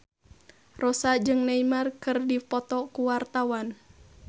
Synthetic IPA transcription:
rɔsad͡ʒɨŋnaimarkɨrdipɔt̪ɔkuwart̪awan

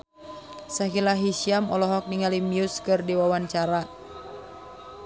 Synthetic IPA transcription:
saɦilaɦisiamɔlɔɦɔk̚niŋalimiuskɨrdiwawant͡ʃaɾa

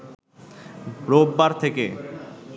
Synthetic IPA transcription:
ɾobːaɾt̪ʰeke

